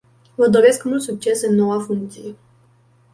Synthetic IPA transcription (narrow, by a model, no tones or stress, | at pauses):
vəd̪o̞ɾe̞skmult̪suk̚t͡ʃe̞sɨnːo̞wafuŋkt̪sije